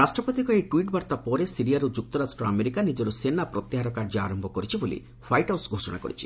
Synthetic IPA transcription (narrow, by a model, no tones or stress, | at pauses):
ɾasʈɾɔpot̪ikɔeʈuwiʈbaɾt̪apɔɾesiɾiaɾud͡ʒuk̚t̪ɔɾasʈɾɔameɾikanid͡ʒɔɾusenapɾɔt̪ːiɦaɾɔkaɾd͡ʒɔa̰ɾɔmbʱɔkɔɾit͡ʃʰibolḭ | pʰajʈawsɡʱosɔɽa̰kɔ̰ɾit͡ʃʰi̥